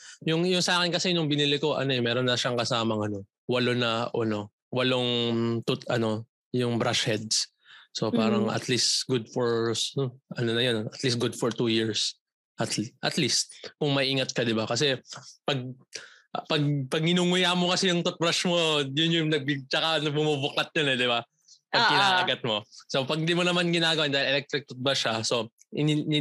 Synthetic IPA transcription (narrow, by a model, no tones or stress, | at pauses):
jʊŋjʊŋsɐaːkɪnkɐsɛnʊŋbɪnilɪko̞ʔɐ̰no̞ɛmɛːɾo̞nːɐʃaŋkɐsaːmɐŋɐno̞ | wɐlonɐʔɐno̞ | wɐloŋt̪ʊt̪ɐno̞ | jʊŋbɾaʃhɛd̪̚s | so̞paːɾɐŋʔɐ̰t̪list̪ɡʊd̪̚foɹnoʔɐnonɐjonɐt̪list̪̚ɡʊd̪fɔɹt̪ujiɹs | ʔɐt̪ʔɐt̪list̪̚kʊŋmɐʔiːŋɐt̪̚kɐd̪ɪbakɐsɛpɐɡ̚ | ʔpɐɡ̚pɐɡ̚nɪnuŋʊjamokɐsɛjʊŋt̪ot̪̚bɾaʃmo̞jʊnjʊjnɐɡ̚bɪɡ̚t͡ʃɐkanɐbʊmubʊklɐt̪̚ɲonɛd̪ɪba | pɐɡɪnaːʔɐɡat̪̚mo̞so̞pɐɡ̚nd̪imonɐmanɡɪnaːɡɐwanaːɪlʔɛlɛk̚t̪ɾɪk̚t̪ot̪̚bɐʃaso̞ | ʔɪn